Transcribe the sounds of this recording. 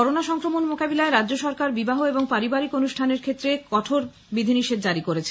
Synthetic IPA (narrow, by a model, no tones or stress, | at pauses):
ɔɾonaʃɔŋkɾomonmokabilaeɾadːʑoʃɔɾkaɾbibaɦoeboŋpaɾibaɾikonuʃʈʰaneɾkʰet̪ːɾekɔʈʰoɾ | bid̪ʱiniʃed̪̚d͡ʑaɾikoɾet͡ɕʰe